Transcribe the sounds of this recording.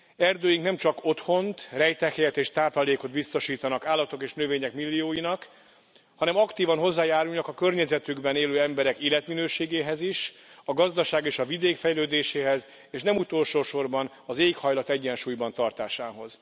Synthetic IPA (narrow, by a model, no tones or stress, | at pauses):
ɛrd̪øːjiŋknɛmt͡ʃɒko̞t̪ho̞nt̪rɛjt̪ɛkhɛjɛt̪eːʃt̪aːplaːleːko̞d̪bist̪o̞ʃiːt̪ɒnɒkaːlːɒt̪o̞keːʃnøveːɲɛkmilːijoːjinɒk | hɒnɛmɒkt̪iːvɒnɦo̞zːaːjaːɾulnɒkɒkø̞rɲɛzɛt̪yɡbɛneːløːɛmbɛɾɛkiːlːɛt̪minøːʃeːɡeːɦɛziʃɒɡɒzd̪ɒʃaːɡeːʃɒvid̪eːkfɛjløːd̪eːʃeːɦɛz | eːʃnɛmut̪o̞lʃoːʃo̞rbɒn | ɒzeːkhɒjlɒt̪ɛɟːɛnʃuːjbɒnt̪ɒrt̪aːʃaːɦo̞z̥